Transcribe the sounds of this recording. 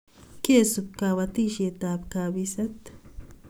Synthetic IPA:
keːsʊkːawɐt̪iʃet̪aːbkaːbisɐt̪

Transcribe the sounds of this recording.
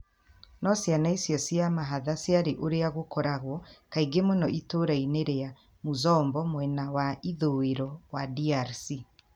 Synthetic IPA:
nɔsjanaisjɔsiamaɦaðasjaɾeʔoɾeaɣokɔɾaɣwɔkaiɡemonɔʔitoɾaineɾea | mozɔːmbɔmwɛnawaiðoeɾɔwadiaɾsi

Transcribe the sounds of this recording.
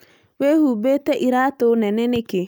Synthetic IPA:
wehubeteʔiɾatʊnɛnenɪkɪ

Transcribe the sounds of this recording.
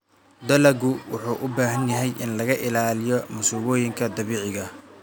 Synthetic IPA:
d̪ɐlɐɡʊwʊħuːʔʊbaːɦɐnjɐɦɛjʔɪnlɐɣɐʔɪlaːlɪjɔmʊsuːβɔːjɪŋkʰɐd̪ɐβiːʕɪɣɐ

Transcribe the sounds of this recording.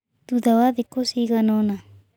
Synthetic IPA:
t̪uðawaðekosiɣanona

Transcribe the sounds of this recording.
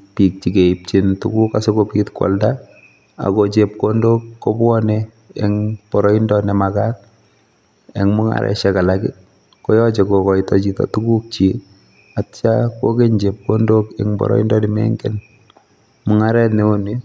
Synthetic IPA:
pik̚t͡ʃikeip̚t͡ʃintṵkukasokopitkwɔ̰lda | a̰kot͡ʃep̚kondokːobɔnɛ | ɛŋbɔɾɔindɔnɛmakat̚ | eŋmʊŋa̰ɾɛ̰ʃakalakɪ̰ | kojɔt͡ʃekokɔitɔt͡ʃitɔ̰tukuk̚t͡ʃe | att͡ʃakokeɲd͡ʒep̚kondokɛŋbɔ̰ɾɔ̰ḭndɔnɛmɛ̰ŋɡɛn | mʊŋaɾɛtnɛoni

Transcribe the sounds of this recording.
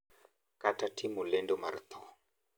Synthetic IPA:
katatʰimulɛndɔma̰ɾt̪ɔ

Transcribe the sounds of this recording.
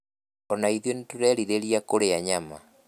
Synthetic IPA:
ɔnaiðjontuɾɛɾiɾeɾiakoɾeaɲama̰

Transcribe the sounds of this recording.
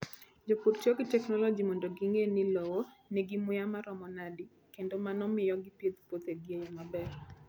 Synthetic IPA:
d͡ʒopuɾt͡ʃɔɡɪtɛknɔlɔd͡ʒimɔndoɡiŋenɪlowonɛɡɪmʊjamaɾɔmɔnadi | kendomanɔmɪjɔɡɪpjet̪pot̪eɡjejmabɛr

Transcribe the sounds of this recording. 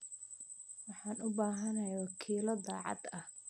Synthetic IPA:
wɑħɑːnʊbaːɦɐnɐjawɑkʰiːlɐd̪ɑːʕɑ̰d̪ɐh

